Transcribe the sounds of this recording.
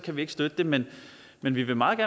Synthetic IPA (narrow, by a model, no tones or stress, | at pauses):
kʰæʋie̝ɡ̥əsd̥ød̥əd̥e̝men | menʋiʋe̝mɑ̈ːɡæɐ